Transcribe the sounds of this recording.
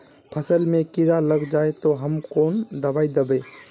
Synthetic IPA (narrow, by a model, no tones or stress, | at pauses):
pʰəsəlmẽkiɾaləɡd͡ʒaːet̪oɦəmkoːnd̪əbaːid̪əbe